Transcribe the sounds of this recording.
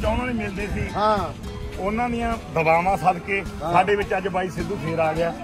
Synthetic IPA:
t͡ʃaːʊnõːnĩːmɪld̪eːsiːã | ʊnãːd̪ijãːd̪əbaːmãːsəd̪keːsaːɖeːʋɪt͡ʃəd͡ʒbaːiːsɪd̪ũːpʰeːɾaːɡɪaː

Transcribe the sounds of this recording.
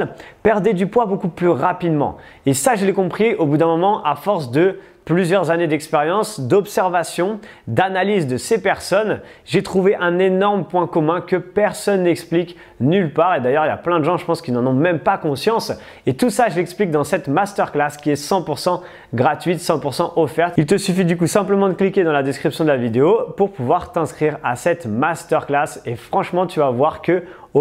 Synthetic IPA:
pɛʁd̪ed̪ypwabokuplyʁapid̪mɑ̰̃ | esaʒəlɛkɔ̃pχiobud̪ɛ̃mɔmɑ̃ʔafɔʁsd̪ə | plyzjœʁzaned̪ɛkspeʁjɑ̃sd̪ɔpsɛʁvasjɔ̃ | d̪analizd̪əsepɛʁsɔn | ʒet̪χuveʔɛ̃nenɔʁməpwɛ̃kɔmɛ̃kəpɛʁsɔnːɛksplik | nylpaʁed̪ajœʁilja̰plɛ̃d̪əʒɑ̃ʒəpɑ̃skʲinɑ̃nɔ̃mɛmpakɔ̃sjɑ̃s | et̪usaʒəlɛksplik̚d̪ɑ̃sɛt̪mast̪œʁklaskʲiɛsɑ̃puʁsɑ̃ | ɡʁat̪ɥit̪sɑ̃puʁsɑ̃ʔɔfɛʁt̪ilt̪əsyfid̪ykusɛ̃pləmɑ̃d̪əklikʲed̪ɑ̃lad̪ɛskχipsjɔ̃d̪əlavid̪eopuʁpuvwaʁt̪ɛ̃skχiʁasɛt̪mast̪œʁklasefχɑ̃ʃmɑ̃t̪yvavwaʁkə

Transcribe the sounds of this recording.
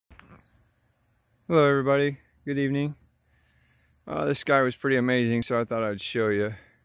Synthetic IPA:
hɛloʊɛvɹibɑɾi | ɡ̥ʊɾivnɪ̃ŋ | ʔʌ̰ðɪsɡ̥aɪwʌz̥pʰɹ̥ɪɾiɨmeɪzɪ̃ŋsoʊaɪθɔɾaɪwd̥ʃoʊjɨ

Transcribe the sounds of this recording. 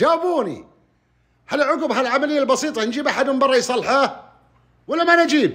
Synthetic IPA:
aːbuːnḭ | halːʕʊɡbɦalʕamalɪjːalbɑsiːt̪ˤɑnd͡ʒiːbaħad̪mɪnbɑrˤːɑjsˤɑlːħa | walːamanɪd͡ʒiːb̚

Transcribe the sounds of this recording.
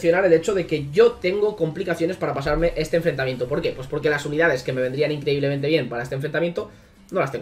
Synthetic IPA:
θjo̞naɾe̞le̞t͡ʃoð̞e̞ke̞ʝo̞t̪e̞ŋɡo̞ko̞mplikaθjo̞nepaɾapasaɾme̞ʔe̞st̪eɱfɾe̞nt̪amje̞nt̪opo̞ɾke̞pwe̞spo̞ɾke̞lasuniðaðe̞ske̞mee̞nd̪ɾianĩŋkɾe̞iβle̞ment̪̬eβje̞mpaɾaest̪̞ɱfɾent̪amje̞nt̪o | no̞last̪eŋ

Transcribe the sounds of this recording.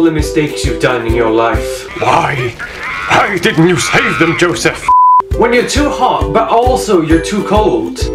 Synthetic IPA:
lˠðəmɨsteɪksjɨvdʌ̃nɪ̃njə˞laɪf | waɪ | waɪdɪdⁿn̩t͡ʃɨseɪvðə̃md͡ʒoʊsɨfwə̃njə˞tʰuːhɑt̚b̥ʌɾʔɔlˠsoʊjə˞tʰukʰoʊlˠd̥

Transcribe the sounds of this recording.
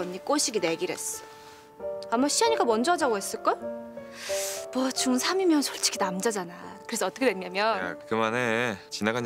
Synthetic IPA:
ʌɲːik͈oɕʰiɡine̞ɡiɾe̞̰s͈ʌ̥ | amaɕʰiaɲik͈amʌnd͡ʑʌd͡ʑaɡoɦes͈ɯɭk͈a | mwʌt͡ɕuŋsʰamimjʌnt͡ɕʌɭt͡ɕ͈ʰi̥kʰinamd͡ʑad͡ʑanakɯɾe̞sʰʌʌt͈ʌkʰedwemɲamjʌnkɯmanet͡ɕinaɡaɲ

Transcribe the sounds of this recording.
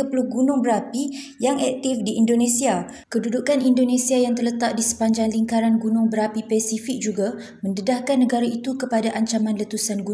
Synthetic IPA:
əpəluhɡunʊŋbəɾapi | jaŋɛk̚t̪ifdiːndonẽsia | kədudukanindonẽsiajaŋt̪ərlət̪aʔ̚disə̥paɲd͡ʒaŋliŋkaɾanɡunʊŋbəɾapipɛsifik̚d͡ʒuɡa | mə̃ndədahkanːəɡaɾait̪ukəpadaʔaɲt͡ʃamãnlət̪usanɡu

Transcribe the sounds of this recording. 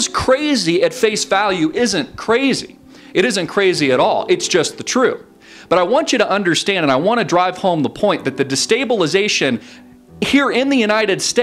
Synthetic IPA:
z̥kʰɹ̥eɪziɨtfeɪsvælˠjʉʔɪzɨ̃nkʰɹ̥eɪzḭ | ɨɾɪzɨ̃nkʰɹ̥eɪziɨɾɔ̰lˠɨtsd̥ʒ̥ʌst̚ðɨtʰɹ̥ʉ | b̥ʌɾaɪwɑ̃nt͡ʃɨɾəʔʌ̃ndə˞stæ̃ndɨ̃naɪwɑ̃ñɨdɹaɪv̥hõʊ̃mðəpʰɔ̃ɪ̃nðɨt̪̚ðɨdɨsteɪbəl̩ˠəzeɪʃɨ̃n | hiɹɪ̃nðɨjʉnaɪɾɨd̥ste

